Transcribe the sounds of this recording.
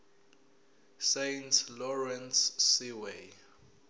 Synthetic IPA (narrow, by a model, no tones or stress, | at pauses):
sejntʰlɔɹɛnsːiwe